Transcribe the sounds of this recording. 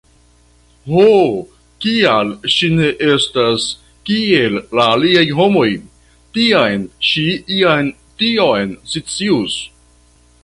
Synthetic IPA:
ho | kialʃine̞ʔe̞stas | kielːaːliajɦo̞mo̞j | tiajnʃiiajn | tio̞jnsit͡sius

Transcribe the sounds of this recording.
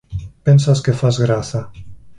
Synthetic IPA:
pɛnsaskefazɣɾaθa

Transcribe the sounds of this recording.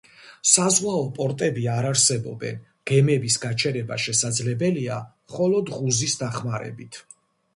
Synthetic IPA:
sazʁwaɔpʼɔɾt̪ʼɛbiaɾaɾsɛbɔ̰bɛ̰n | ɡ̥ɛmɛbisɡat͡ʃʰɛɾɛbaʃɛsad̪zlɛbɛliamχɔlˠɔd̪ʁuzisd̪aχmaɾɛ̰bit̪ʰ

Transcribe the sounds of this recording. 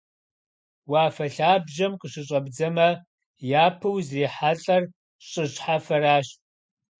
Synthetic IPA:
waːfɐɬaːbʒɐmqəʂɨɕʼɐbd͡zɐmɐ | jaːpʰɨwzriːħaɬʼɐr | ɕʼɨɕħafɐɾaːɕtʼ

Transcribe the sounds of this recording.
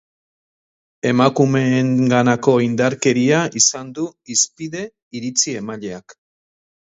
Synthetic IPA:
e̞makume̞ŋɡanako̞ind̪aɾke̞ɾiaisand̪uispiðe̞ | iɾit͡sie̞maʎe̞ak

